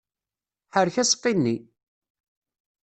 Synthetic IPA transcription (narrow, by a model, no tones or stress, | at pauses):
ħəɾçæsə̥qːinːi